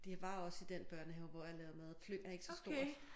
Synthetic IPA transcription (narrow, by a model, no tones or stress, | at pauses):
d̥iʋɑ̈ɒ̽sid̥enb̥ɶɐ̰nheʋɒjalɛːʊɐmæðˠfløːæɐe̝ɡ̥əsɒ̥sd̥o̝ɐ̰̥